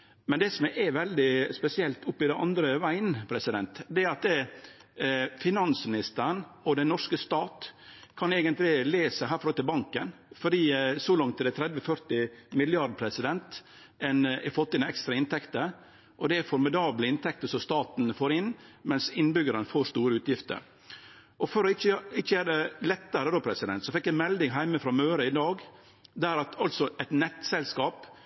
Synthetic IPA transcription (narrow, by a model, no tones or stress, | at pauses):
mɛnd̪ɛːsɔmʔɛʋɛld̪ɪspɛsɪɛlt̪ʊpːɪd̪ɛnʔɑ̰nd̪ɾəʋæɪənpʰɾɛsɪd̪ɛnt̪d̪ɛæɾɑt̪̚ɛ | fɪnɑnsmɪnɪst̪əɾənɔd̪ɛnnːɔʂkəst̪ɑːt̪kʰɑneːɡənt̪lɪleːsəɦæːɾfɔɾɔlt̪ːɪlbɑŋkənfɔɖiːsɔlɑŋt̪ʰːɪɛt̪ʰɾɛd̪ʋəfœɾt̪ɪmɪlɪɑɖ̪pʰɾɛsɪd̪ɛnt̪ | ɛnɛfɔt̪ːɪnɛkst̪ɾɑɪnt̪ʰɛkt̪ə | ʔɔd̪ɛæfɔɾmɪd̪ɑːbləɪnt̪ʰɛkt̪əsɔst̪ɑːt̪nfoːɾɪnːmɛnsɪnbʏɡəɾənəfoːɾʂt̪uːɾəʉːt̪jɪft̪ə̰ɾ | ʔɔfɔɾɔɪt͡ʃːəɪt͡ʃːəjæːɾəlɛt̪ːəɾəd̪oːpʰɾɛsɪd̪ɛ̰nt̪sɔfɛkːjæɪmɛld̪ɪŋɦæɪməfɾɑːmøːɾəɪd̪ɑːɡ | d̪æɾɑt̪ʰɑlt̪sɔʔɛt̪nɛt̪sɛlskɑːp